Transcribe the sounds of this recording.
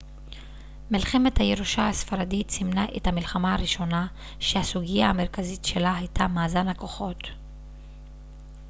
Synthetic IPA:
milχe̞me̞thajeʁuʃahasfaɾaditsimnaʔethamilχamaaʁiʃo̞na | ʃehasuɡijahame̞ʁkazitʃe̞laɦajtʰamaːzanako̞χo̞t

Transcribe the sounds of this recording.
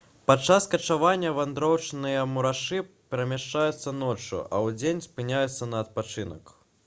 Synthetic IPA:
pat͡ʂːaskɐt͡ʂavanʲːɐvand̪ɾɔwt͡ʂnɨjɐmuɾaʂɨpʲɛɾɐmʲaʂt͡ʂajut̪sːɐnɔt͡ʂṵʔɐ̰wd͡zʲenʲspɨnʲajut̪sːɐnɐːt̪̚pat͡ʂɨnɐ̰k

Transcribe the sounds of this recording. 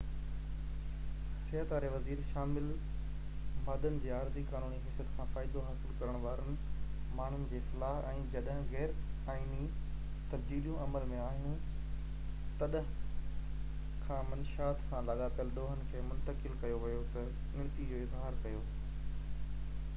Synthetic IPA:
sɐɦət̪aːɾeʋɐziːɾʃaːmɪl | maːd̪ənɪ̆d͡ʑeːaːɾzikaːnuːniɦɪsjət̪kʰãːfaːɪd̪oɦaːsɪlkɐɾəɽ̃ʋaːɾənɪ̆ | maːɳ̤ʊnɪ̆d͡ʑeːsɐlaːɦɛ̃ːd͡ʑɐɗɦɪ̃ɣɛːɾaːini | t̪ɐbd͡ʑiːɾijũʔɐməlmẽaːɦɪnɪ̆ | t̪ɐɗɦ | kʰãːmɐnʃaːt̪sãlɐɠaːpjəlɗoːɦənɪ̆kʰeːmʊ̃nt̪əkɪlkɐjoʋɪjot̪ɐ | ɪ̃ɽ̃t̪id͡ʑoɪzɦaːɾkɐjoː

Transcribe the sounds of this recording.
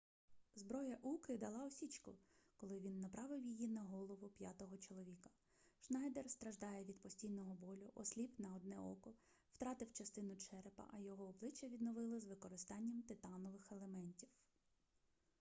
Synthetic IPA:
zbɾɔjɐʔukɪd̪ɐlˠɑɔsʲit͡ʃkʊkɔlˠɪʋʲinːɐpɾɑʋɪwjijinɐɦɔlˠɔʋʊpʲjat̪ɔɦɔt͡ʃɔlˠɔʋʲikɐ̥ | ʃnɑjd̪erst̪ɾɐʒd̪ɑjɛʋʲid̪pɔsʲtʲijnɔɦɔbɔlʲʊʔɔsʲlʲipnɐɔd̪nɛɔ̰kɔ | wt̪ɾɑt̪ɪwt͡ʃɐst̪ɪnʊt͡ʃɛɾpɐ̰ʔɐjɔɦɔːblˠɪt͡ʃːɐʋʲid̪nɔʋɪlˠɐzʋɪkɔɾɪst̪ɑnʲːɐmt̪ɪt̪ɑnɔʋɪxelˠemɛnʲtʲiw

